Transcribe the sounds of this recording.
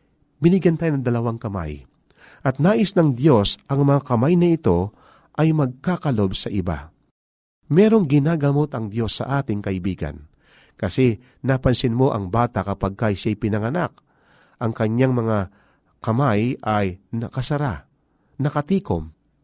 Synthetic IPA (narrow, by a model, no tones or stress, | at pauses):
bɪnɪɡjɐnt̪aːjonɐŋd̪ɐlɐwaŋkɐma̰j | ʔɐt̪̚naːʔɪsnɐŋd̪jo̞sʔɐŋmɐŋakɐmajnɐɪt̪o̞ | ʔɐjmɐɡ̚kaːkɐlo̞bsɐʔɪba̰ | mɛːɾo̞ŋɡɪnaːɡɐmo̞t̪ɐŋd̪jo̞sːɐ̰ʔaːt̪ɪŋkɐʔɪbiːɡɐ̰n | kɐsɛ | napɐnsɪnmo̞ʔɐŋbaːt̪akɐpaɡ̚kajsajpɪnɐŋɐnak̚ | ʔɐŋkɐɲːaŋmɐŋa | kɐmajʔɐjnɐkɐsɐɾa̰ | nɐkɐt̪iːkom